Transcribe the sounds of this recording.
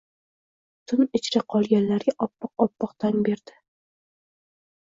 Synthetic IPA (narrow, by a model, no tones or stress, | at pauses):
t̪ʰʊnɪt͡ʃʰɾaqʰɒlˠɡʲanlaɾɡʲaʔɒpːɑqɒpːɒqt̪ʰanbe̞ɾd̪̥ɪ